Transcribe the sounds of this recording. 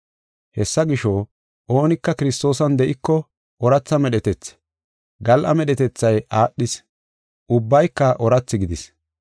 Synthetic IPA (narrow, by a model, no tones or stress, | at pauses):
hɛsːɐɡɪʃo | ʔoːnɪkːɐkɪɾɪst̪o̞ːsɐnd̪ɛʔɪkːɔ | ʔɔɾɐt͡sːɐmɛɗɛt̪ɛt͡sː | ɡɐlʔɐmɛɗɛt̪ɛt͡sːɐjʔaːɗːɪs | ʔʊbːɐjkːɐʔɔɾɐt͡sːɪɡɪd̪ɪs